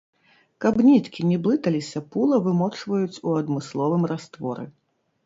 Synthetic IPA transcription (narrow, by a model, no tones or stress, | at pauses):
kabnʲit̪kʲinʲɛblˠɨt̪ɐlʲisʲɐpulˠɐvɨmɔt͡ʂvɐjut͡sʲuɐd̪mɨslˠɔvɨmrast̪vɔ̰ɾɨ̰